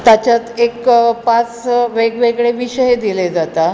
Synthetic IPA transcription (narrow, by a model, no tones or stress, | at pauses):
t̪at͡ɕjat̪ekpat͡sʋeɡʋeɡɭeʋiɕəjd̪iled͡zat̪a